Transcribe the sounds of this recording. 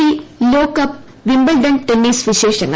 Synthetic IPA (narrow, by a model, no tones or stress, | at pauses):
iloːkɐp | ʋimbɐlɖɐnʈenːiːsʋiʃeːʂɐŋɡɐ